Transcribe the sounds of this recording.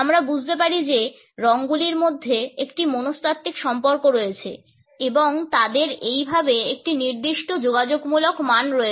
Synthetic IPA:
amɾabud͡ʑʱt̪ep̬aɾid͡ʑe | ɾɔŋɡuliɾmod̪ʱːeekʈimonost̪ʰat̪ːikʃɔmpoɾkoɾoet͡ɕʰḛ | eboŋt̪ad̪eɾejbʱabeek̚ʈiniɾd̪iʃʈod͡ʑoɡad͡ʑoɡmulokmanɾoe

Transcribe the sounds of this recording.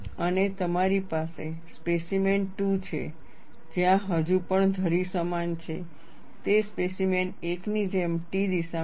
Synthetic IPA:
ənet̪əmaɾipase | spesimenʈut͡ʃʰḛ | d͡ʒjãɦəd͡ʒupəɳd̪ʱəɾisəmant͡ʃʰḛ | t̪espesimeneknid͡ʒemʈid̪iʃa

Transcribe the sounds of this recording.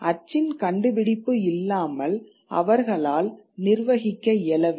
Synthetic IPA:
ʔɐt͡ʃːɪnkɐɳɖɯʋɪɽɪpːɯɪlːaːmɐl | ʔɐ̰ʋɐɾɣɐɭaːl | nɪɾʋɐɣɪkːɐɛlɐʋ

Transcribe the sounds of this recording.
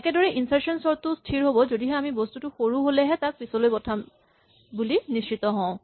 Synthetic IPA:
ɛkɛdɔɹɛʔinsaɹsɔnsɔɹt̪ustʰiɹɦobɔzodiɦɛamibost̪utuxoɹuɦolɛɦɛt̪ak̚pisɔlojbɔtʰa | bulinist͡ʃit̪ɔɦɔ̃ʊ̃

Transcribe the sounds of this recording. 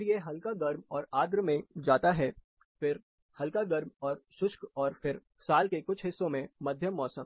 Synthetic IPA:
ɾjeɦɐlkaɡɐɾmɔːɾaːd̪ɾmẽd͡ʒaːt̪aɦɛː | fɪɾ | hɐlkaɡɐɾmɔːɾʃʊʃkɔːɾfɪɾ | saːlkekʊt͡ʃʰɦɪsːõmẽmɐd̪ʱjəmːɔːsəm

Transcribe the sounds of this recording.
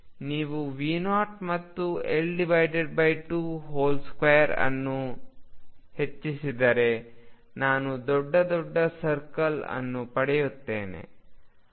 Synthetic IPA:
niːʋuʋiːnaːʈmɐt̪ːuelɖiʋɐjɖeɖ̚bɐjʈuɦoːlskʋɐjɐɾɐ̰nːu | he̞t͡ʃːisid̪ɐɾe̞ | naːnud̪ɔɖːɐd̪ɔɖːɐsɐɾkɐlɐ̰nːupɐɽɛjut̪ːḛːnḛ

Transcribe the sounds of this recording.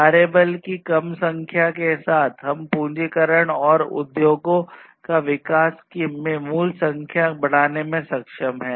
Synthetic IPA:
aːɾeːbəlkikɐmsɐ̃ŋkʰjakesaːt̪ʰɦɐmpũːd͡ʒikəɾəɽ̃ɔːɾʊ̰d̪joːɡõ | kaʋɪkaːskimẽmuːlsɐ̃ŋkʰjabɐɽ̤̃aːnemẽsɐkʃəmɦɛː

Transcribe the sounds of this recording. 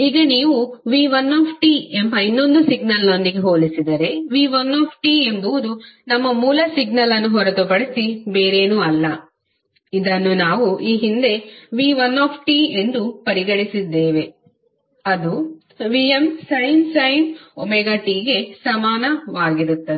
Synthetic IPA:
iɡɐniːʋuʋiːʋɐnːoːpʰʈiːembɐinːo̞nd̪usiɡnɐlno̞nd̪iɡe̞ɦoːlisid̪ɐɾe̞ʋiːʋɐnːaːpʰʈiːe̞mbuʋud̪unɐmːɐmuːlɐsiɡ̚nɐlɐnːuɦɔɾɐt̪upɐɽisibeːɾeːnuːɐlːɐ | id̪ɐnːunaːʋuʔiːɦind̪e̞ʋiːʋɐnːaːpʰʈiːe̞nd̪upɐɾiɡɐɭisid̪ːeːʋe̞ | ɐd̪u | ʋiemsɐjnsɐjnomɛɡɐʈiːɡe̞sɐmaːnɐʋaːɡiɾut̪ːɐe

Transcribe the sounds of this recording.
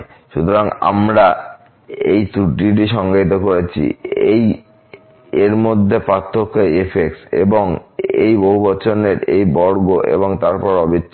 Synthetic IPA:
ʃut̪oɾaŋa̰mɾa | ejt̪uʈiʈ̬iʃɔŋɡait̪okoɾet͡ɕʰḭej | eɾmod̪ʱːepɾat̪ʰːokʰːajefʰeksḛboŋḛjboɦubɔt͡ɕʰoneɾejbɔɾɡoʔḛboŋt̪aɾpɔɾɔbitː

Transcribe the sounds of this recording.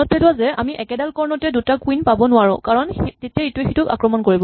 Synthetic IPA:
ɔtɛlʊazɛa̰miʔɛkɛdalkɔɹnɔtɛdutakwinpabɔnʊaɹʊ̰̃kaɹɔntetiɛetuexitʊka̰kɹɔmɔnkoɹibɔ

